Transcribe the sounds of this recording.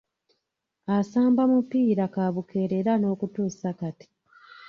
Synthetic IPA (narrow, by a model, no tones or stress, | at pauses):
asaːmbamupːiːɾakaβuke̞ɾeɾano̞ːkutuːsakati̥